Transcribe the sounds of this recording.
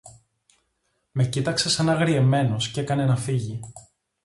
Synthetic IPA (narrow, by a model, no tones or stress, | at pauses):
me̞cit̪ɐkse̞sɐnɐɣɾie̞me̞no̞sce̞kɐne̞nɐfiʝi